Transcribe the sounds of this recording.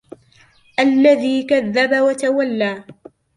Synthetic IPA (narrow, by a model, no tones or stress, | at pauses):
ʔalːaðiːkaðːabawat̪awalːaː